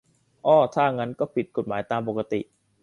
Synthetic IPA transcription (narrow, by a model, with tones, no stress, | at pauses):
ʔɔː˧˩t̪ʰaː˥˩ŋa˦˥nkɔː˥˩pʰi˨˩t̪̚ko˨˩t̪̚maː˩˦jt̪aː˧mpo˨˩ka˧t̪i˨˩ʔ